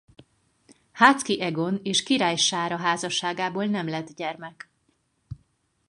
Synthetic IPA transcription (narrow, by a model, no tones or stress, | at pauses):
haːt̪skiʔɛɡo̞neːʃkiɾaːjʃaːɾɒɦaːzɒʃːaːɡaːboːlnɛmlɛd̪ɟɛrmɛk